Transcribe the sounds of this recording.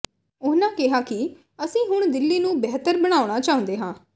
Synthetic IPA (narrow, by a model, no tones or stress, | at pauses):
ʊnãːkɪɦaːkɪ | əsĩːɦʊɳ̃d̪ɪlːiːnũːbɛːt̪əɾbəɽ̃aːʊɽ̃aːt͡ʃaːʊ̃nd̪eːɦãː